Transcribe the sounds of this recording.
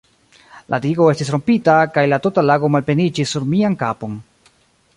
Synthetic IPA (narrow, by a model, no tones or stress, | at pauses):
lʔa̰diɡo̞e̞stis̬ɾo̞mpitakajlatotalaɡo̞malpe̞nid͡ʒisːuɾmiankapo̞n